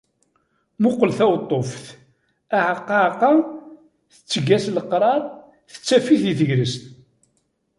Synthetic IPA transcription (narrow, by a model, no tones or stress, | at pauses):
mʊqːəlθæwt̪ˤːofθ | aʕqːɑqːɑ | θə̥t͡sːəɡæsləqɾˤɑɾˤ | θə̥t͡sːæfiθiθəʝɾəst̪